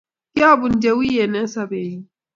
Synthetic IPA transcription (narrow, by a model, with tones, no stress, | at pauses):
kʲa˦˨bʊ˨nd͡ʒe˦wi˦je˨ne˦sa˨be˨ji˦